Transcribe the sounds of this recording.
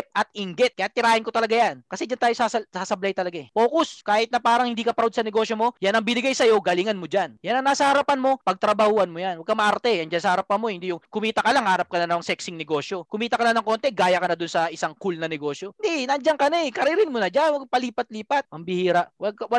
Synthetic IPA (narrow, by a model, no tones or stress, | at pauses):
p̪̚ʔɐt̪̚ɪŋɡɛt̪̚kɐjat̪ɪɾaːhɪnkot̪ɐlɐɡajankɐsɛd͡ʒant̪aːjosasɐsasɐblajt̪ɐlɐɡapo̞ːkoskaːhɪt̪̚nɐpaːɾɐŋhɪnd̪iːkɐpɾaod̪̚sɐnɛɡo̞ːʃjo̞mo̞janɐŋbɪnɪɡajsɐjo̞ɡɐliŋɐnmod͡ʒanjanɐŋnaːsɐhɐɾapɐnmo̞pɐɡ̚t̪ɾɐbɐhuːhɐnmojanwɐɡ̚kamɐʔaɾt̪ɛjɐŋd͡ʒansɐhɐɾapɐnmohɪnd̪ijʊŋkʊmiːt̪ɐkɐlaŋhaːɾɐp̚kɐnɐnɐwɐŋsɛksɪŋnɛɡo̞ːʃjo̞kʊmiːt̪ɐkɐlanɐŋko̞ːnt̪ɛɡaːjɐkɐnɐd̪ʊnsɐʔɪsaŋkulnɐnɛɡo̞ːʃjo̞ɪnd̪inɐnd͡ʒaŋkɐnɛkɐɾɪɾɪnmonɐd͡ʒanwɐɡ̚pɐliːpɐt̪̚liːpɐt̪̚mɐmbɪhiːɾaʔwɐɡ̚kwɐ